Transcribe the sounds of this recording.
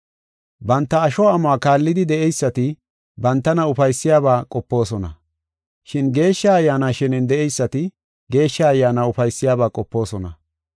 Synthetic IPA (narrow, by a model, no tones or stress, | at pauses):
bɐnt̪ːɐːʃɔaːmaːkaːlːɪd̪ɪd̪ɛɛjsːɐt̪ɪ | bɐnt̪ːɐnɐʊfɐjsːɪjaːβaːkʼɔpːo̞ːsɔnɐ̰ | ʃɪnɡe̞ːʃːɐɐjːaːnaːʃɪnɪnd̪ɛʔɛjsːɐt̪ɪ | ɡe̞ːʃːɐːjːaːnaːʊfɐjsːɪjaːbaːkʼɔpːo̞ːsɔnɐ̰